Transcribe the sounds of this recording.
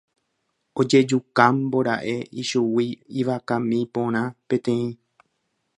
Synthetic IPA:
od͡ʒe̞d͡ʒukãmbo̞ɾaʔe̞ʔiʃuwiːʋakãmĩpõ̞ɾ̃ãpẽ̞t̪ẽ̞ĩ

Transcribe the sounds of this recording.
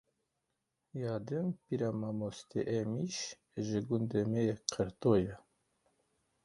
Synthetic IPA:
jɑːd̪ɨmpiɾamamost̪ḛʔemiʃ | ʒɪɡund̪emeɛqʰəɾt̪ojɛ

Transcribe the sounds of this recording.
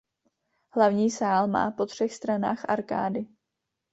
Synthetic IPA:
hlavɲiːsaːlma̰ːpo̞t̪r̝̥ɛxst̪ɾana̰ːxʔaɾka̰ːdɪ

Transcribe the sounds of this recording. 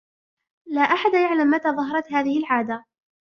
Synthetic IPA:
laːʔaħad̪jaʕlamːat̪aːðˤɑɦɑɾˤɑt̪haːðɪhɪlʕaːd̪a

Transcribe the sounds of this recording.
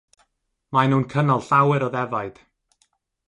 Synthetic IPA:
majnuːnkʰənɔlˠɬawɛɾɔðɛvajd̥

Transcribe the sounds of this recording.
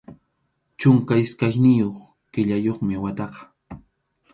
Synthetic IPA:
t͡ʃʊŋkaɪskajnɪjoχ | kɪʎajoχmɪwat̪ɑqɑ̥

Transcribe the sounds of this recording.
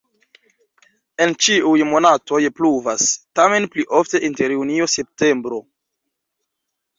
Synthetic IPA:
e̞nt͡ʃiujmo̞nato̞jpluvastame̞npliʔo̞fte̞ʔinte̞ɾjunio̞se̞p̚te̞mbɾo̞

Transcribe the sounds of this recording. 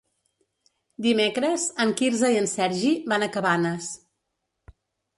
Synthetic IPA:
d̪imekɾəzəŋkiɾzəiənsɛɾʒiβanəkəβanəs

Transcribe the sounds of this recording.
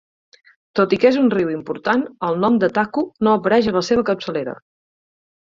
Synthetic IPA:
t̪ot̪ikezunriwimpuɾt̪anəlˠnɔmd̪ət̪akunoəpəɾɛʒələseβ̞əkəpsəleɾə̰

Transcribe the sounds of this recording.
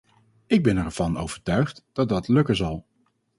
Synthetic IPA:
ɪɡ̚bɛnɛɹv̥ɑno̰wv̥əɹtœɥχtd̥ɑt̚dɑtlɵkənzɑlˠ

